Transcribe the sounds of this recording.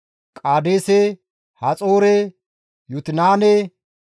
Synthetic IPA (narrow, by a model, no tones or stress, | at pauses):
kʼaːd̪eːse | hat͡sʼoːɾɛ | jʊt̪ɪnaːnɛ